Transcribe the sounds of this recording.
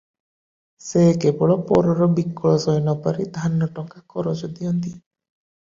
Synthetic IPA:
sekebɔɭɔpɔɾɔɾɔbikːɔɭɔsɔjnɔpaɾid̪ʱanɔʈɔŋkakɔɾɔt͡ʃɔd̪iɔnt̪i

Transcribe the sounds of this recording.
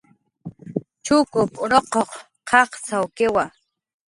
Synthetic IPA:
t͡ʃʊkʊpʊɾoqoq | qʰɑχsawkɪwa

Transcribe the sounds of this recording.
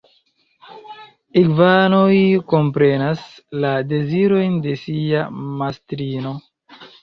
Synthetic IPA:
iɡvanojko̞mpɾe̞naslade̞ziɾo̞jnde̞siamastɾino̞

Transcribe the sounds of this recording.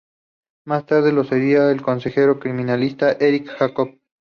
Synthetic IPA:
mast̪aɾð̞elo̞seɾiaelko̞nse̞xeɾo̞kɾimĩnalist̪aʔeɾikxakop̚

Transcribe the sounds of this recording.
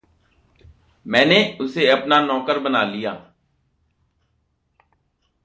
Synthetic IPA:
mɛ̃ːneːʊseəpnaːnɔːkəɾbənaːlɪjaː

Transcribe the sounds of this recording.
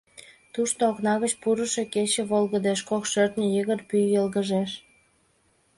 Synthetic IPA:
t̪uʃt̪ooknɑɣət͡ɕpuɾəʃeket͡ɕeβolɣəd̪eʃkokʃørt̪nʲəjəɣərpyjəlɣəʒeʃ

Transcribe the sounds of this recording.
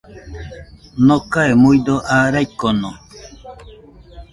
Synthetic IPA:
nokaemujd̪oʔaːɾajkːono

